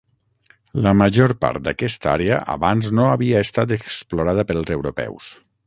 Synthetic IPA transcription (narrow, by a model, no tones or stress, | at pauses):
ləməʒoɾpa̰ɾt̪̚d̪akɛst̪a̰ɾeə̰ʔa̰βanznoaβiəest̪at̪eksploɾað̞əpəlˠzewɾopɛ̰ws